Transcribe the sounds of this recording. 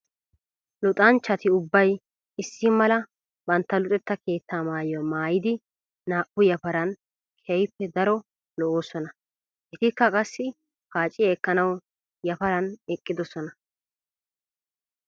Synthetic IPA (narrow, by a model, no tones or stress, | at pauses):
lʊt̪ʼɐnt͡ʃːɐt̪ɪʊbːɐj | ɪsːɪmɐlɐ | bɐnt̪ːɐlʊt̪ʼɛt̪ːɐke̞ːt̪ːaːmaːjɐmaːjɪd̪ɪ | naːʔʊjɐpɐɾɐn | kʰɛjpːɛd̪ɐɾɔ | lɔʔoːsɔnɐ | ʔɛt̪ɪkːɐkʼɐsːɪ | paːt͡ʃʼːɪjɐːkːɐnɐw | jɐpɐɾɐnɛkʼːɪd̪ɔsɔnɐ